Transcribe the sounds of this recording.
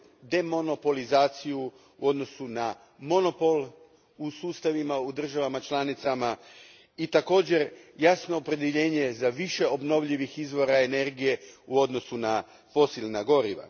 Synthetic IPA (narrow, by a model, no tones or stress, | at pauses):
d̪e̞mo̞no̞po̞lizaːt̪siju | ṵo̞d̪no̞suna | mo̞no̞po̞lˠ | usuːst̪aʋimaud̪r̩ʒaʋamat͡ʃlˠanit̪sama | it̪ako̞ːd͡ʑe̞ɾjasno̞ːpɾe̞d̪eʎe̞ːɲe̞zaʋiʃe̞o̞bno̞ʋʎiʋixizʋo̞ɾaene̞ɾɡije̞uo̞d̪no̞suna | fo̞silˠnaɡo̞ɾiʋa̰